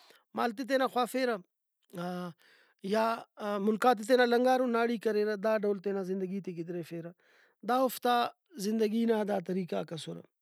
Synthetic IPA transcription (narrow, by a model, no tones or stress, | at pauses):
ma̰ːlt̪̬it̪̬enaxwaːfeːɾɐ | jaːmʊlkaːt̪̬it̪̬enalɐŋɡaːɾonaːɽiːkɐɾeːɾɐd̪aːɖɐwlt̪enazɪnd̪ɐɡiːt̪eɡid̪ɾefeːɾɐ | d̪aːʊft̪a | zɪnd̪ɐɡinad̪aːt̪ɐɾiːkakɐsoɾɐ̰